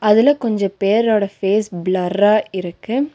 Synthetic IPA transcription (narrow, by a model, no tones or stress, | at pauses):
ɐðɪlɐkɔɲd͡ʒɔpeːɾoːɽɐfeːsblɐrːaːɪɾɯkːɯ